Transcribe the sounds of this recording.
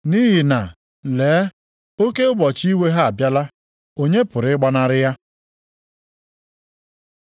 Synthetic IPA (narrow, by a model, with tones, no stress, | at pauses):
ni˦ɦi˨na˨ | leː˨˦ | o˦ke˦ʊ˦bɔ˨t͡ʃi˦we˦ɦa˦a˨bja˦la˦ | o˦ɲe˦pʊ˨ɾɪ˨ɪ˦ɡ͡ba˦na˦ɾɪ˦ja˦